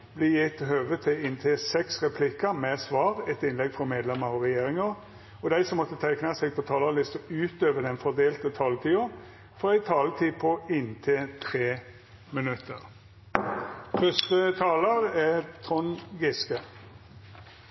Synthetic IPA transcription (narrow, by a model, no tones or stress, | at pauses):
bliːjɪt̪ːɦøːʋət̪ʰɪɪnt̪ʰɪsɛksʁɛpʰlɪkːəmɛsʋɑːʁɛt̪ɪnlɛɡfʁɔmeːd̪lɛməɾʁɔʁɛjeːɾɪŋəʁ | ɔd̪æɪsɔmːɔt̪ːət̪ʰæɪknɑsɛɡ̚pʰɔt̪ʰɑːlɑlɪst̪əʉːt̪øːʋəd̪ɛnfɔʁd̪eːlt̪ət̪ʰɑːlt̪ʰiːʊ | fɔɾæɪt̪ʰɑːlət̪ʰiːpʰɔɪnt̪ʰet̪ʰɾeː | mɪnʉt̪ːəʁ | fœst̪ət̪ʰɑːləɾɛt̪ʰʁɔnɡɪskə